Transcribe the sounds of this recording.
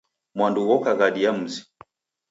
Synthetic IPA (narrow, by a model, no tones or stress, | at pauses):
mwanduɣɔkaɣaɗijam̩zi̥